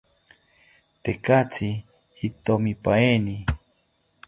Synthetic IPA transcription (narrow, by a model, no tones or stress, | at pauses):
t̪ekat͡sʰi | hit̪omipaeni